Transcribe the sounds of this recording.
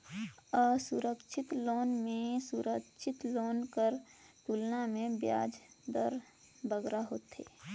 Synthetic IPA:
əsuɾəkʃʰɪt̪loːnmẽsuɾəkt͡ʃʰɪt̪loːnkəɾt̪ulnamẽbja̰ːd͡ʒ | d̪ə̰ɾ | bəɡɾaɦoːt̪ḛ

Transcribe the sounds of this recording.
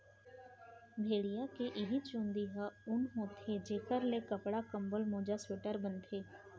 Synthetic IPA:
bʱeːɽɪjaːkeːʔɪɦit͡ʃõːnd̪iːɦaːʊnɦõːt̪ʰeːd͡ʒeːkəɾleːkəpɽaːkəmbəlmõːd͡ʒaːswɪʈəɾbənt̪ʰeː

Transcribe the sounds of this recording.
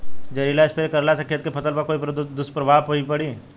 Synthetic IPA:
d͡ʒɐɾilaːɪspeɾekɐɾlasɐkʰijət̪̚kepʰɐt̪əlpɐɾkoːip̪d̪ʊspɾɐbʱaːpoipɐɽiː

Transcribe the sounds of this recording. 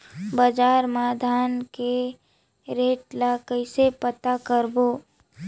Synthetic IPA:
bəd͡ʒaːɾmaːd̪ʱaːnke | ɾeːʈlakəisepət̪akəɾboː

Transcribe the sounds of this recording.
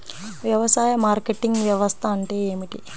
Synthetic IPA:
ʋjɐʋɐsaːjɐmaːɾkeʈːiŋɡʋjɐʋɐst̪ʰɐɐɳʈeeːmiʈi

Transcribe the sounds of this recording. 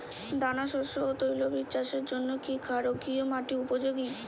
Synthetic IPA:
d̪anaʃoɾʃoɦot̪ojlobiʃaʃeɾd͡ʑonːokikʰaɾokiomaʈiupod͡ʑoɡi

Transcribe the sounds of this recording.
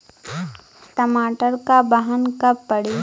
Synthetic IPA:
ʈəmaːʈəɾkabəɦənkɐːəɽi

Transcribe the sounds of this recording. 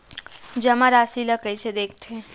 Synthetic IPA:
d͡ʒɐmaɾaːsilakəised̪eːk̚ʰt̪ʰeː

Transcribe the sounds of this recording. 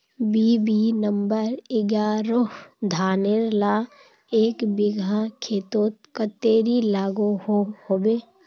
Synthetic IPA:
biːbinəmbəɾɪɡaːɾoɦd̪ʱaːneɾlaː | eːkbɪɡʱakʰeːt̪oːt̪̚kət̪eːɾilaːɡohohoːbeː

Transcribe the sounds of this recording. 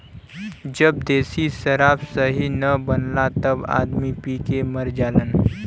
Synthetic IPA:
d͡ʒɐb̚d̪eːsisɐɾaːfsəɦinɐbənlat̪ɐba̰ːd̪mipiːkeməɾd͡ʒaːlən

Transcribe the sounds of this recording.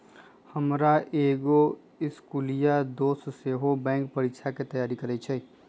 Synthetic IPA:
həmɾaʔeɡo | ɪskulijad̪osseɦobɛ̃ŋkpəɾikt͡ʃʰaket̪əjaɾikəɾɛt͡ʃʰɛ

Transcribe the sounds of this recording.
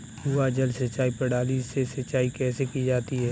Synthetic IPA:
uːad͡ʒəlsət͡ʃaːipəɽaːliːsesət͡ʃaːikɛːsekid͡ʒaːt̪iɦɛː

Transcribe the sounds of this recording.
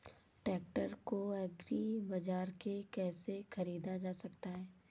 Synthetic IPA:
ʈɛːk̚ʈəɾkoɛɡɾibɐd͡ʒaːɾkekɛːsexɐɾiːd̪ad͡ʒaːsɐkt̪aɦɛː

